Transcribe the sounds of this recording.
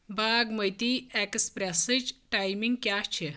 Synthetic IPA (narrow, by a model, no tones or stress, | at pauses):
baːɡməjt̪iekspɾesəjt͡ʃʈajmiŋɡkjaːt͡ʃʰi